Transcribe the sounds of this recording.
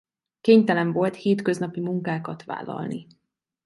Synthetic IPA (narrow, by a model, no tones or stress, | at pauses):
keːɲt̪ɛlɛɱvo̞lt̪heːt̪kø̞znɒpimuŋkaːkɒt̪ʋa̰ːlːɒ̰lni